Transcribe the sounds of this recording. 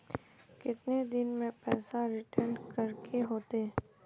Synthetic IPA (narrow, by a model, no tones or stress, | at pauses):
kɪt̪ned̪ɪnmẽpɛːsaɾɪʈəɾnkɐɾkʰeɦoːt̪e